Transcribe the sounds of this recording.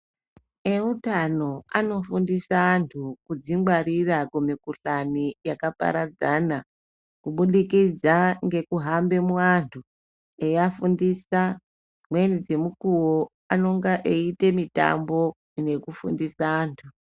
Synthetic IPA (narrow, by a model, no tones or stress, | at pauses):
eutano̞ano̞fundisaːntʰukud͡ziŋwaɾirakumikuɬanijakapa̰ɾad͡zana | kuɓuɗikid͡zaŋɡe̞kuɦambe̞mwantʰu | ejafundisa | d͡zimwenid͡ze̞mukuwo | ano̞ŋɡaʔeite̞mita̰mbo̞ | ine̞kufṵndisaːntʰu